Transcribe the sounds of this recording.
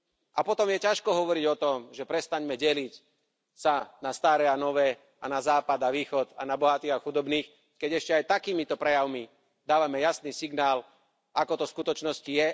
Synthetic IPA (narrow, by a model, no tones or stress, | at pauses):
ʔapɔt̪ɔmjɛcaʃkɔɦɔʋɔɾiɟɔt̪ɔmʒɛpɾɛst̪aɲmɛɟɛlic | sanast̪aɾɛanɔʋɛː | anazaːpad̪aʋiːxɔd̪a̰nabɔɦat̪iːɣaxud̪ɔbniːx | kɛɟɛʃcɛajt̪akiːmit̪ɔpɾɛjaʊmi | d̪aːʋamɛjasniːsiɡnaːl | akɔt̪ɔskut̪ɔt͡ʃnɔscijɛ